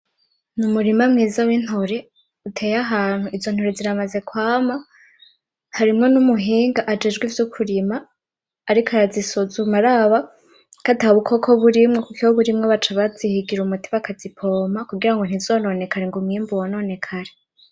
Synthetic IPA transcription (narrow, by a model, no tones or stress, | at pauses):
numuɾimamŋiːzawin̥hoɾe̞ | utʰe̞jaɦaːn̥huʔizo̞n̥hoɾeziɾamaze̞kwaːma | haɾimŋo̞numuɦiːŋɡaʔad͡ʒe̞d͡ʒɡwivjukʰuɾimaː | ɾikʰaɾazisozumaɾaβa | kataβukʰo̞kʰoβuɾimŋokukiwoβuɾimŋeβat͡ʃaβaz̥ihiɡiɾumutiβakazipʰo̞ːmakuɡiɾaŋɡo̞n̥izoːno̞ne̞kʰaɾeŋɡomŋiːmbuwano̞ːne̞kʰaɾe